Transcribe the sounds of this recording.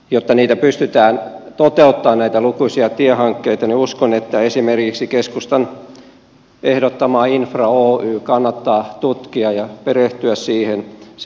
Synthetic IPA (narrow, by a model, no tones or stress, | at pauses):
jot̪ːɑniːt̪æpyst̪yt̪æːnt̪ot̪eut̪ːɑːnnæit̪ælukuisiɑt̪iehɑŋkːeit̪ɑniuskonet̪ːæesimerkiksikeskust̪ɑn | ehdot̪ːɑmɑːinfrɑoːyːkɑnːɑt̪ːɑːt̪ut̪kiɑjɑpereht̪yæssiːhen